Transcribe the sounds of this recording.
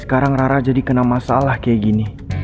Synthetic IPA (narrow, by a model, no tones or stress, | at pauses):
sə̥kaɾaŋraɾad͡ʒadikənamasaalahkajaɡini